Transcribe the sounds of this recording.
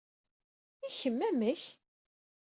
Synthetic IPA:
içəmːæməç

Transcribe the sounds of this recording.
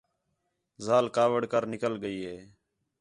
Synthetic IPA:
zaːlkaːʋəɽkəɾnɪkəlɡəiːɦeː

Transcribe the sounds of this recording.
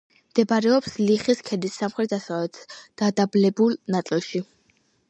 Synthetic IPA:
md̪̥ɛbaɾɛɔpsliχiskʰɛd̪isːamχɾɛt̪asavɛt̪ʰd̪̥ad̪ablɛbulˠnat̪sʼilˠʃi

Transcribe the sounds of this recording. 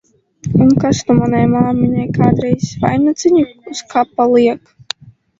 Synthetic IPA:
unkast̪umanajmaːmʲiɲɛjkaːd̪ɾɛjsva̰jnat̪sɨɲuuskapːalˠiɛk

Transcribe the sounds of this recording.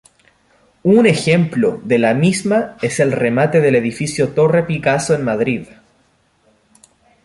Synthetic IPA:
une̞xemplo̰ðelamizmae̞se̞lremat̪e̞ðele̞ðifisjot̪o̞re̞pikasoenmaðɾið

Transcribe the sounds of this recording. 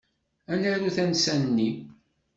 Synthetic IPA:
ænæɾuθænsænnːi

